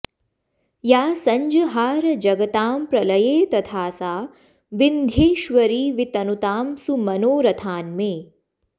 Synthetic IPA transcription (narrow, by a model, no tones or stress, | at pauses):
jaːsɐɲd͡ʒɐɦaːɾɐd͡ʒɐɡɐt̪aːmpɾɐlɐjeːt̪ɐt̪ʰaːsaː | ʋind̪ʱjeːʃʋɐɾiːʋit̪ɐnut̪aːmsumɐnoːɾɐt̪ʰaːnmeː